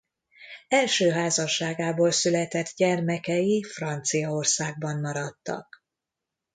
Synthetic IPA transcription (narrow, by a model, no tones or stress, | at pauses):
ɛlʃøːɦaːzɒʃːaːɡaːboːlsylɛt̪ɛt̪ɟɛrmɛkɛjifrɒnt̪sijɒo̞rsaːɡ̚bɒmːɒɾɒt̪ːɒ̰k̚